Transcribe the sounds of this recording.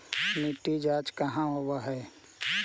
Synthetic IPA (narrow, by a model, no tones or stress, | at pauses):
miʈid͡ʒaːd͡ʒkəɦãɦowaɦɛː